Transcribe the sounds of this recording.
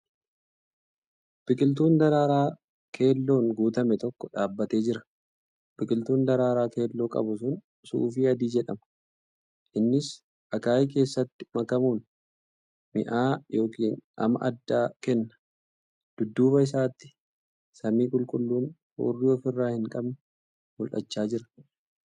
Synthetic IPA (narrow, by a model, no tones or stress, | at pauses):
b̥ɪkʼɪlt̪̬uːnd̪ɐɾaːɾaː | kʰe̞ːlːo̞ːnɡuːt̪ɐmɛt̪ɔkːɔᶑaːbːɐt̪e̞ːd͡ʒɪɾɐ̥ | b̥ɪkʼɪlt̪uːnd̪ɐɾaːɾaːke̞ːlːo̞ːkʼɐ̰bʊsʊn | sṵːfiːɐd̪iːd͡ʒɛᶑɐmɐ̥ | ʔɪnːɪs | ʔɐkaːjke̞ːsːɐt̪ːɪ̥mɐkɐmuːn | mɪ̰ʔaːjo̞ːkiːnʔɐ̰mɐ̰ʔɐd̪ːaːkɛnːɐ̥ | d̪̥ʊd̪ːuːbɐɪs̬aːt̪ːɪ̥ | sɐmiːkʼʊlkʼʊlːuːn | ho̰ːrːiɔfɪrːaːhɪŋkʼɐbnʊ | mʊlʔɐ̰t͡ʃːaːd͡ʒɪɾɐ̥